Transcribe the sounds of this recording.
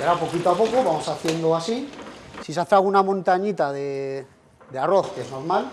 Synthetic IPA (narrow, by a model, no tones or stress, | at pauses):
aɾapo̞kit̪oapo̞ko̞βamo̞saθje̞nd̪oasisisaθeɾaɣunamõnt̪aɲit̪aðe | ðearo̞θkezno̞ɾmal